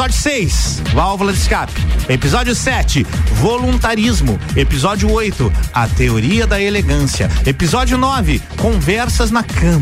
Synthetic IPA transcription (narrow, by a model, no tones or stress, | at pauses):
ɔd͡ʒʊsejsvawvʊlɐd̪ɪskapɪ̥epizɔd͡ʒjʊsɛt͡ʃɪvolũnt̪aɾizmʊepizɔd͡ʒiʊojt̪ʊɐt̪eoɾiɐd̪ɐeleɡɐ̃siɐ̰epizɔd͡ʒjʊnɔvɪ | kõvɛɾsɐznɐkɐ̃